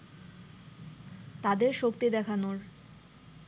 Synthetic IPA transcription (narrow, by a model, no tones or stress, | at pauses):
t̪ad̪eɾʃokt̪id̪ɛkʰanoɾ